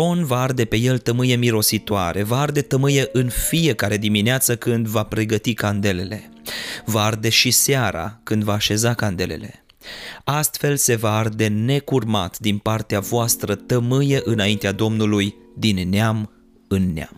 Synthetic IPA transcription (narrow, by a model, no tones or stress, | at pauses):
o̞nvaard̪e̞pe̞je̞lt̪əmɨjemiɾo̞sit̪oa̰ɾe̞vaard̪e̞t̪əmɨjeʔɨnfije̞kaɾe̞d̪imineat̪səkɨnd̪vapɾe̞ɡət̪ikand̪e̞le̞le̞ | vaard̪e̞ʃiseaɾa̰kɨnd̪vaːʃe̞zakand̪e̞le̞̰le̞̰ | ast̪fe̞lse̞vaard̪e̞ne̞kurma̰t̪d̪inpart̪eavoast̪ɾət̪əmɨjeʔɨnaint̪ead̪o̞mnulujd̪inːeam | ɨnːea̰m